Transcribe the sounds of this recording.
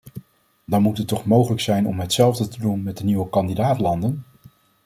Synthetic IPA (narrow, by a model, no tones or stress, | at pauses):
dɑnmutɦətːɔχmowχələksɛjnɔmɦətsɛlˠvdətədunmɛt̚dəniwəkɑndidaːtlɑndən